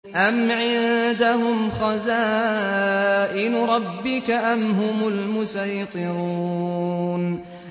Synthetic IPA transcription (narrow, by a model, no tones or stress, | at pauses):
ʔamʕɪnd̪aɦʊmxɑzaː | ʔɪnɾˤɑbːɪkaʔamɦʊmʊlmʊsajt̪ˤɨɾuːn